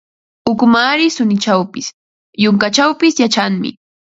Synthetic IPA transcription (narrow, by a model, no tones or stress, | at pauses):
ʊkmaːɾɪsʊnɪt͡ʃawpɪs | jʊŋkat͡ʃawpɪsjat͡ʃaŋmɪ̰